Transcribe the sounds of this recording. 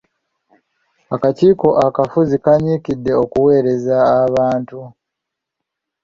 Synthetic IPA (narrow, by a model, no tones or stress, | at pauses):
akaciːko̞ʔakafuzikaɲiːkidːe̞o̞kuwe̞ːɾe̞zaːβaːntu